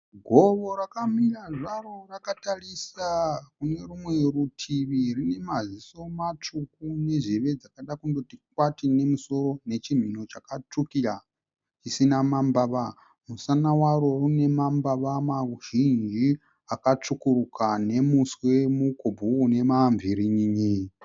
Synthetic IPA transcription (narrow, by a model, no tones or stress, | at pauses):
ɡʱo̞ʋo̞rakamiraʐaro̞rakatarisakune̞rumwe̞rutʰiʋirine̞maziso̞mat͡ʂukune̞ʐeʋe̞d͡zakaɗakundotikwatine̞muso̞ro̞ne̞t͡ʃim̤ino̞t͡ʃakat͡ʂukiɺa | t͡ʃisinamambaʋa | musanawaɾo̞rune̞mambaʋamaʒind͡ʒi | akat͡ʂukurukane̞muswe̞mukʰobʱuːne̞maɱvʱiɾiɲiɲi